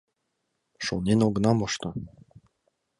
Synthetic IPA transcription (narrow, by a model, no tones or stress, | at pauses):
ʃonenoɡ̆nɑmɤ̆ʃt̪ɤ